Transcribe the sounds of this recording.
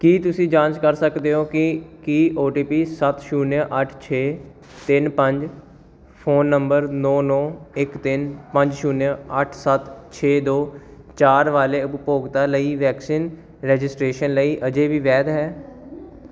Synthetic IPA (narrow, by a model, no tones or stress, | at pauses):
kiːt̪ʊsĩːd͡ʒãːnt͡ʃkəɾsəkd̪eːɦoːkɪkiːoːʈiːpiːsət̪ʃuːnjãʔəʈʰt͡ʃʰeː | t̪ɪnpəɲd͡ʒ | pʰoːnːəmbəɾnɔːnɔːɪkt̪ɪnpə̃ɲd͡ʒʃuːnjãəʈʰsət̪t͡ʃʰeːd̪oː | t͡ʃaːɾʋaːleːʊppoːɡt̪aːləiːʋɛːksiːn | ɾɛːd͡ʒɪsʈɾeːʃənləiːʔəd͡ʒeːʋiːʋɛːd̪ɦɛː